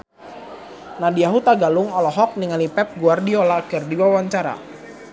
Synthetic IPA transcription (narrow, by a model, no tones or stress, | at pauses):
nadiaɦut̪aɡalʊŋɔlɔɦɔk̚niŋalipɛp̚ɡuardiɔlaːkɪrdiwawaɲt͡ʃaɾa̰